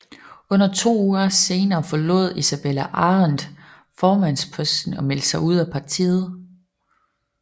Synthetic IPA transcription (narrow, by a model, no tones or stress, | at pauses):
ɔ̽n̰ɐt͡sʰo̝̰ːuːɐse̝ːnɐːfɒlɔ̝ð̞̰ˠisæb̥elæʔɑ̈ːʁand̥ | fɒːmæn̰spʰɔ̽sd̥n̩ɒ̽mel̰d̥sɑ̈ɪuð̰ˠæpʰɑ̈t͡sʰḭːð̞̩ˠ